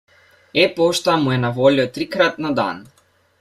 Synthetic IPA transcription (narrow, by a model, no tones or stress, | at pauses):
ɛpɔʃt̪amuɛnavɔliɔt̪ɾikɾat̪̚nad̪a̰n